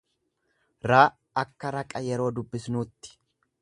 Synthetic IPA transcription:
ɾaː | ɐkːɐɾɐkʼɐjɛɾo̞ːd̪ʊbːɪsnuːt̪ːɪ̥

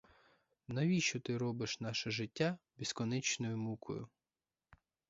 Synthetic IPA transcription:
nɐʋʲiʃt͡ʃɔt̪ɪɾɔbɪʃnɑʃɛʒɪtʲːabʲiskɔnɛt͡ʃnɔjʊmukʰɔ̰jʊ

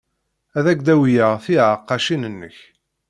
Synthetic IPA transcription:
æðæɡd̪æwjəʁθiʕəqːɑʃinənːə̰ç

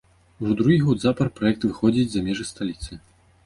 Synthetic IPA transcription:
wud̪ɾuɣʲiɣɔd̪zapɐrpɾajɛk̚t̪vɨxɔd͡zʲid͡zʲzamʲɛʐɨst̪alʲit̪sɨ

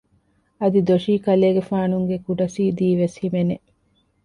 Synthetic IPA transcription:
ɐd̪id̪oʃiːkɐleːɡefaːnuŋɡekuɖɐsiːd̪iːʋeshimene

